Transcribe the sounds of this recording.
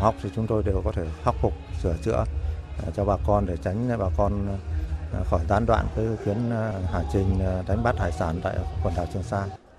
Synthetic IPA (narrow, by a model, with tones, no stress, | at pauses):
ha˨˩wk͡p̚t̪ʰi˨˩t͡ɕʊ˨˦ŋ͡mt̪o˧jɗe˨˩wkɔ˨˦t̪ʰe˧˩ha˦wk͡p̚fʊ˨˩k͡p̚sɨ˧˩ət͡ɕɨ̰˧˥ə˨t͡ɕɔ˧ɓaː˧˩kɔ˧nɗe˧˩t͡ɕa˨˦jŋ̟t̪a̰˧˨jɓaː˧˩kɔ˧n | xɔ˧˩jzaː˨˦nɗwa̰ː˧˨nkəː˨˦jxwi˨˦ənhaː˧˩t͡ɕï˨˩ŋ̟ɗa˨˦jŋ̟ɓa˦˥t̪̚ʰaː˧˩jsaː˧˩nt̪a̰ː˧˨jkwə˨˩nɗa̰ː˨˩wt͡ɕɨ˧˩əŋsaː˧n